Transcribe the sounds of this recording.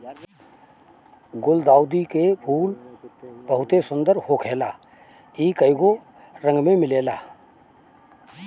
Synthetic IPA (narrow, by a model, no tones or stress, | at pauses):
ɡʊld̪aːʊd̪ikepʰuːl | b̥əɦʊt̪esʊ̃nd̪əɾhokʰeːlaː | iːkəɪɡo | ɾə̃ŋɡmẽmɪleːlaː